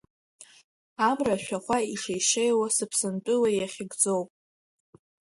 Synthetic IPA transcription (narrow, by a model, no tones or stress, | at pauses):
amraʃᶣaχʷaiʂajʂejwasɨpʰsɨntʼʊwajaχʲɪɡd͡zo̞wpʼ